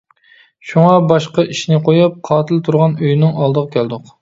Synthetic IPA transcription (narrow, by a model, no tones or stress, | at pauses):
ʃuŋɑbɑʃqɑʔiʃnɪqʰojɑp̚qʰɑːt̪ʰɪlt̪ʰuɾʁɑnøjnɪŋɑlˠd̪əʁɑkʲʰɛld̪ʊq